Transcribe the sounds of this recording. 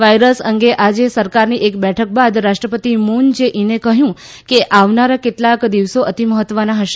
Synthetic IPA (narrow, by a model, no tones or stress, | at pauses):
ʋajɾəsəŋɡeʔad͡ʒesəɾkaɾniʔekbɛʈʰək̚bad̪ɾaʃʈɾəpət̪imund͡ʒeʔinekəɦjũ | keʔaʋnaɾakeʈlakd̪iʋsoʔət̪iməɦət̪ːʋənaɦəʃe